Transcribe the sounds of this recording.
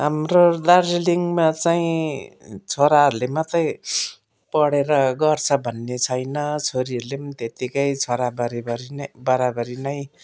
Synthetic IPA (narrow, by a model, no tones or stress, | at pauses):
ɦamrod̪ard͡ziliŋmat͡saĩ | t͡sʰoɾaɦʌɾulemʌt̪ʌj | pʌɽeɾʌɡʌrt͡sʰʌbʱʌnːet͡sʰʌjnʌt͡sʰoɾiʌɾulemt̪et̪ikʌjt͡sʰoɾabʌɾibʌɾinbʌɾabʌɾinʌj